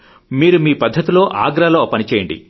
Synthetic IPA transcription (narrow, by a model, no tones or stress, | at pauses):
miːɾumiːpɐd̪ʱːɐt̪ilo̞ːʔaːɡɾaːloːpɐnit͡ʃɛːjɐɳɖḭ